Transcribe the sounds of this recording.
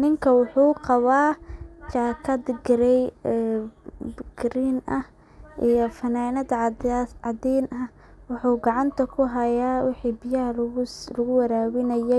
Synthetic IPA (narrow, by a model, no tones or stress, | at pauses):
nɪŋkʰɐwʊħuːqɑβaːt͡ʃaːkʰɐd̪ɡɾɛj | bɡɾiːnʔɐh | ʔijɔfɐnaːnɐd̪ʕʕɑd̪ɛːnɐ | wʊħuːɡɑʕɑnt̪ʰɐkʰʊɦɐjaːwɪħiːbɪjɐɦllɐɣʊwɐɾaːwɪnɐjɛj